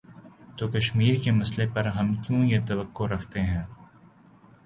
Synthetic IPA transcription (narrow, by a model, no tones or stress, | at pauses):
t̪oːkɐʃmiːɾkemɐslepɐɾɦɐmkjõːjet̪ɐʋəkːoɾɐkʰt̪eɦɛ̃ː